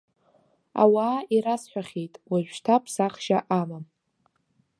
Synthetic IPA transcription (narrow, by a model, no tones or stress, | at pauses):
a̰waːiɾasħʷᶣaχʲejtʼwaʒʷᶣʃtʰapʰsaχʒaʔamam